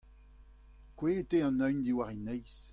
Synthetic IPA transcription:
kweteɑ̃naɥnd̪iwaʁinɛjs

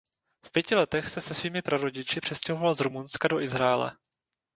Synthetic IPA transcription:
fpjɛcɪlɛt̪ɛxsɛsɛsviːmɪpɾaɾo̞ɟɪt͡ʃɪpr̥ɛscɛɦo̞valzɾumunskado̞ʔɪzɾaɛlɛ̰

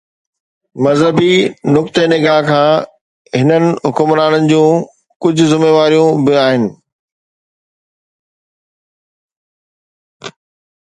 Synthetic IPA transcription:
mɐzɦəbinʊk̚t̪enɪɡaːɦkʰãː | ɦɪnənɪ̆ɦʊkʊmɾaːnənɪ̆d͡ʑũː | kʊd͡ʑʱʊ̆zɪmeːʋaːɾijũbɪaːɦɪnɪ̆

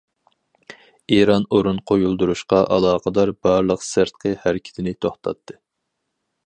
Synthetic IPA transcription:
eɾɑnoɾunqʰojulˠd̪uɾuʃqɑʔɑlˠɑːqəd̪ɑɾbɑɾlˠəqsɪɾt̪̚qʰəhæɾɪkʲʰɪ̥t̪ʰɪnɪt̪ʰoχt̪ʰɑ̰t̪ʰːɨ

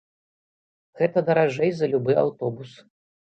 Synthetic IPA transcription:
ɣɛt̪ɐd̪ɐɾaʐɛjzɐlʲubɨa̰wt̪ɔbus

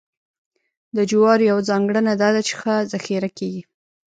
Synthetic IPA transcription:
d̪əd͡ʒʊwɑɾjawd͡zɑŋɡɽənad̪ɑd̪at͡ʃe̥xəzaxiɾakeɡi

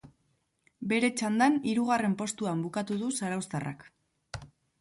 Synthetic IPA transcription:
be̞ɾe̞t͡ʃand̪aniɾuɣ̞are̞mpo̞st̪uambukat̪uðusaɾawst̪arʔa̰k

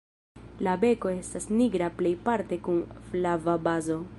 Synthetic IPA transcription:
labe̞ko̞e̞stasniɡɾaple̞jpaɾte̞kunflavabazo̞

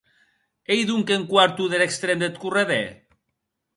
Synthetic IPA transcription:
ejðuŋkeŋkwaɾt̪uðelekst̪ɾemd̪et̪̚kureðe

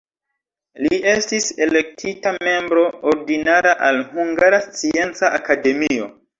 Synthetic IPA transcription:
lie̞stise̞le̞k̚tʰitame̞mbɾo̞oɾdinaɾaʔalhuŋɡaɾast͡sie̞nt͡saʔakade̞mio̞̰

